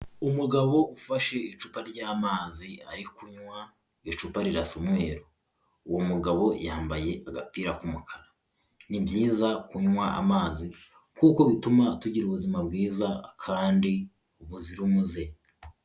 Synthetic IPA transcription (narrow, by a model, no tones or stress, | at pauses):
umuɡaβo̞ʔufaʃe̞it͡ʃupaɾɟaːmaːzia̰ɾikuɲŋwa | it͡ʃupaɾiɾasomŋe̞ːɾo | uwomuɡaβo̞jaːmbaje̞ʔaɡapiːɾakumukʰaɾa | nibjiːzakuɲŋwaʔa̰maːzi | kuko̞βitumatuɟiɾuβuzimab̚ɡiːzakʰaːndi | uβuziɾumuze̞